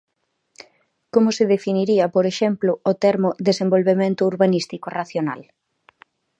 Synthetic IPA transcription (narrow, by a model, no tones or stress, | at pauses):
komʊseðefiniɾiɐpoɾeʃɛmplʊːt̪ɛɾmʊðesembolβemẽnt̪ʊuɾβanist̪ikoraθjona̰l